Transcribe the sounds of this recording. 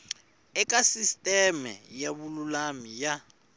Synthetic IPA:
ɛkʼasistʼɛmɛ̰jaβululamija

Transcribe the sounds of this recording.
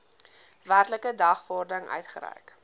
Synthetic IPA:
værtləkədɐχfɔrdəŋʔœ̰ɥtχəɾɛ̰jk

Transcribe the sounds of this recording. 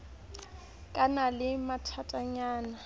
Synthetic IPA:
kʼanalɪmatʰatʼaɲaːna

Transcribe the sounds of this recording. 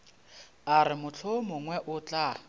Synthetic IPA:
aɾɪmʊt͡ɬʰomʊŋwɛʔʊt͡ɬʼa

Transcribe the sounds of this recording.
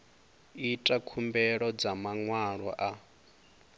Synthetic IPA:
itʼakʰumbɛɺɔd͡zamaŋwaɺɔʔa

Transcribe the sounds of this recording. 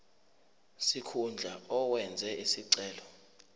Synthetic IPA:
sikʰund͡ɮʱaɔwɛnd͡zʱɛʔisiǀɛːlɔ

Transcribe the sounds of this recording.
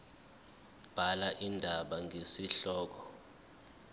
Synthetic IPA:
b̥ʱalaʔindʱaɓaŋʱesiɬɔːk̬ɔ

